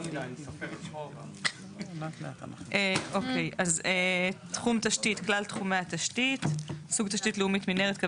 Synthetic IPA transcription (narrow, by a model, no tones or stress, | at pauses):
natna̰a̰naeʔokejʔazetχumt̪aʃtit̪klalt̪χumat̪aʃtitsuɡt̪aʃtitleumit̪mineʁetk